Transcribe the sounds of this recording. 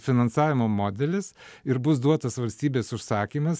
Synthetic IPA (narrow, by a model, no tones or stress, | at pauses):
fʲɪnɐnsɑːʋʲɪmoːmoːd̪ʲɛlʲɪsɪɾbʊsd̪uɔt̪ɐsʋɐlʲsʲt̪ʲiːbʲeːsʊʃsɑːkʲiːmɐs